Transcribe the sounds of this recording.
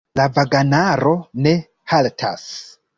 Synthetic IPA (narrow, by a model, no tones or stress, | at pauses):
lavaɡanaɾo̞ne̞ | haltʰa̰s